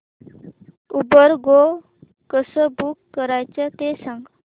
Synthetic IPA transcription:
ubəɾɡo | kəsəbukːəɾajt͡ʃət̪esaŋɡ

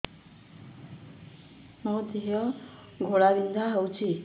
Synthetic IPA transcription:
mʌd̪ʱjjʌ | ɡʱoɽabind̪ʱaɦʌwt͡sʰi

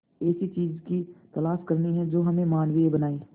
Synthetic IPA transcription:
ɛːsit͡ʃiːzkit̪ɐlaːʃkɐɾniɦɛ̃d͡ʒoːɦɐmẽmaːnʋiebɐnaːiː

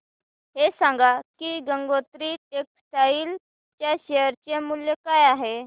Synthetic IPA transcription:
ɦesãŋɡakiːɡəŋɡot̪ɾiːeksʈaiːl | t͡ɕjaɕejəɾt͡ɕemuljekajaɦe

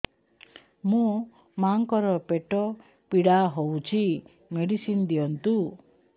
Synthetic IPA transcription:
mũ | maŋkɔɾɔpeʈɔ | piɽaɦowt͡ʃʰi | meɽisind̪ijɔnt̪u

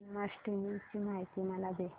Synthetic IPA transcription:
masʈimit͡ɕimaɦit̪iːməlab̪e

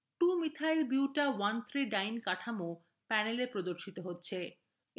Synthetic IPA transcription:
ʈumit̪ʰajlbuwʈawant̪ʰɾiɖajnkaʈʰamo | pɛnelepɾod̪oɾʃit̪oɦotːɕʰe

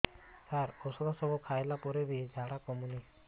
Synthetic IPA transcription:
saɾɔsɔd̪ʱasɔbʱɔkʰajlapɔɾeɾid͡ʒʱaɽakɔmuni

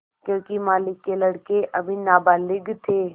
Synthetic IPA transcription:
kjõːkimaːlɪkːelɐɽkeʔɐbʱinaːbaːlɪɡt̪ʰeː

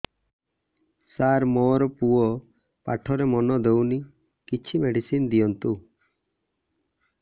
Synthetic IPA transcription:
saɾmɔɾɔpuɔ | pa̰ʈʰɔɾemɔnɔd̪ewni | kit͡ʃʰimeɖisind̪ijɔnt̪u

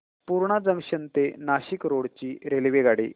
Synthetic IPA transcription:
puɾɳad͡zəŋɡɕənt̪enaɕikɾoɽt͡ɕiːɾelʋeɡaɽḭː

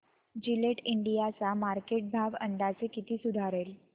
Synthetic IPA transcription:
d͡ʑileʈiɳɖijat͡samaɾkeʈ̚bʱaʋənd̪at͡sekit̪iːsud̪ʱaɾel

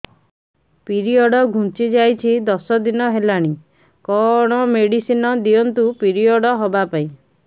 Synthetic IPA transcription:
piɾiɔɽɔɡʱũt͡ʃid͡ʒajt͡ʃʰid̪ɔsɔd̪inɔɦelaɽ̃i | kɔɽ̃ɔmeɽisinɔd̪ijɔnt̪upiɾiɔɽɔɦobapaĩ

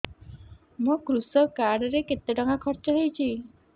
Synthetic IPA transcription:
mũkɾusɔkaɾɖɔɾeket̪ːeɖɔŋɡakʰɔɾt͡ʃɔɦejt͡ʃʰi

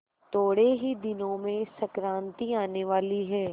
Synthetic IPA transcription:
t̪oːɽeɦid̪ɪnõmẽsɐkɾãːnt̪iaːneʋaːliɦɛː

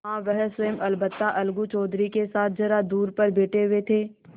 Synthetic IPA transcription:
ɦãːʋɛɦswəjəmɐlbət̪ːaʔɐlɡut͡ʃɔːd̪ɾikesaːt̪̚ʰd͡ʒɐɾad̪uːɾpɐɾbʱeːʈeʋet̪ʰeː

